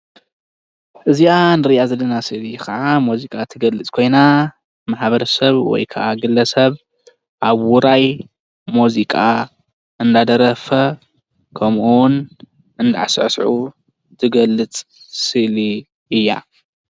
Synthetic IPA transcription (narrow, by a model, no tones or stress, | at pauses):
ʔɨzijanɨɾɨjʔazɐlːɐnasɨlikɐʕamuzikʼat̪ʰɨɡɐlːɨt͡sʼkʰo̞jna | maħbɐɾɐsɐβwɔ̰jkʰa̰ʔaɡɨlɐsɐβ | ʔaβwuɾaj | muzikʼa | ʔɨnd̪ad̪ɐɾɐfɐ | kʰɐmʔun | ɨnd̪a̰ʕasɨʕsʕu | t̪ʰɨɡɐlːɨt͡sʼ | sɨli | ɨjːa̰